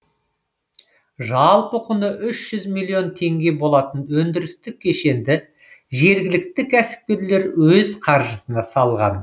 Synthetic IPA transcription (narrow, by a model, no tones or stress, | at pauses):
ʒɑlˠpəqʰʊnəʔʏʃʒ̥ʏzmilˠːio̞nt̪ʰe̞ŋɡʲe̞bo̞lˠɑt̪ənwɵnd̪ɪɾɪst̪ɪk̚ʲʰːe̞ʃe̞nd̪ɪ | ʒe̞ɾɡʲɪlɪk̚t̪ɪkʲʰæsɪ̥p̚kʲe̞ɾle̞ɾwɵzqʰɑɾʒəsənɑsɑlˠʁɑ̰n